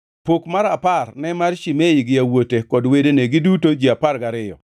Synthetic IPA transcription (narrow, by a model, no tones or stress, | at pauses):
pokmaɾaparnɛmarʃimejɪɡɪawotekɔdwedeneɡɪdutod͡ʒiaparɡaɾɪjɔ̰